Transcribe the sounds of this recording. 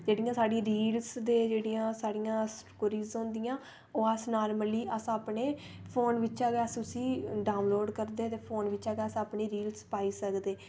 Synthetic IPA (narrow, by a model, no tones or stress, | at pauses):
d͡ʒeːɽijãːsaːɽiːɾiːlsd̪eːd͡ʒeːɽiːjãːsaːɽijãːsʈkːɾiːzõːnd̪ijãː | oːəsnaːɾməliːʔəsaːpneːpʰoːnʋɪt͡ʃaːɡɛəsʊsiːɖaːʊ̃nloːɖkəɾd̪eːt̪eːpʰoːnʋɪt͡ʃaːɡeəsaːpɳiːɾiːlspaːiːsəkd̪eː